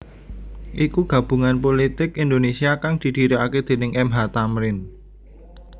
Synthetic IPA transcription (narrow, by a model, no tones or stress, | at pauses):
ʔikuɡ̥a̤b̥ṳŋanp̬olit̪ɪkind̪onesiakaŋd̪̥i̤d̪̥i̤ɾoaked̪̥e̤nɪŋɛmɦat̪amɾɪn